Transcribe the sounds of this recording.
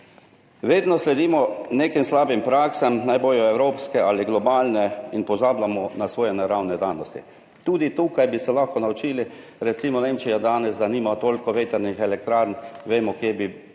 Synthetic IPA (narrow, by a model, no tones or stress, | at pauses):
ʋeːd̪nɔslɛd̪iːmɔneːkimslaːbimpɾaːksɛmnajboːjɔɛwɾoːpskɛaliɡlɔbaːlnɛinpɔzaːblamɔnasʋoːjɛnɛɾawnɛd̪aːnɔst̪ḭ | t̪uːd̪it̪uːkajbisɛlaxkɔnaut͡ʃiːli | ɾɛtsiːmɔneːmt͡ʃijad̪aːnɛzd̪aniːmat̪oːlkɔʋeːt̪ɛɾnixɛlɛk̚t̪ɾaːɾnʋeːmɔkjebi